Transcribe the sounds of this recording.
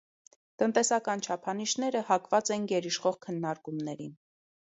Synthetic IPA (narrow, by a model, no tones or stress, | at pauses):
t̪ənt̪ɛsɑkɑnt͡ʃʰɑpʰɑniʃnɛɾəhɑkvɑt͡sɛnɡɛɾiʃχɔʁkʰənːɑɾkumnɛɾin